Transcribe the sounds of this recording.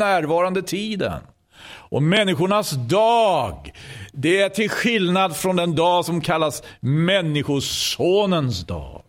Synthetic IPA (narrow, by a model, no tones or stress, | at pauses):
æːɾvɑːɾand̪ət̪ʰiːd̪ə̰n | ʔɔmɛnːɪɧʊɳasd̪ɑːɡd̪ɛæʈʰɪlɧɪlnad̪fɾɔnd̪ɛnd̪ɑːɡsɔmkʰalːasmɛnːɪɧʊsoːnənsd̪ɑ̰ːɡ